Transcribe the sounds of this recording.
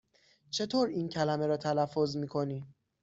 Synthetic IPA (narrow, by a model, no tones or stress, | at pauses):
t͡ʃʰe̞t̪ʰoːɾiːncʰælæmeɾɒːt̪ʰælæfːozmiːkʰo̞niː